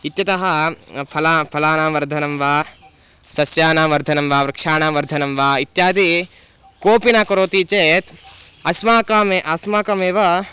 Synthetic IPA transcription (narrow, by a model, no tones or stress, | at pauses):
it̪jɐt̪ɐɦɐpʰɐlapʰɐlaːnaːʋɐɾd̪ʱɐnɐmʋaː | sɐsjaːnaːʋɐɾd̪ʱɐnɐmʋaːʋɾɐkʂaːnaːʋɐɾd̪ʱɐnɐmʋaːit̪jaːd̪i | koːpinakɐɾoːt̪iːt͡ʃeːt̪ɐsmaːkɐmeʔɐsmaːkɐmeːʋɐ